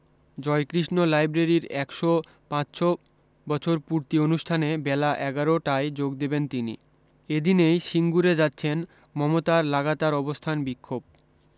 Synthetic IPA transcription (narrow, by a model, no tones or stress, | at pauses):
d͡ʑɔekɾiʃnolajbɾeɾiɾɛkʃo | pãt͡ɕʃo | bɔt͡ɕʰoɾpuɾt̪ionuʃʈʰanebɛlaʔɛɡaɾoʈaed͡ʑoɡ̚d̪ebent̪inḭ | ed̪inejʃiŋɡuɾed͡ʑatːɕʰen | mɔmot̪aɾlaɡat̪aɾɔbost̪ʰanbikʰːob̚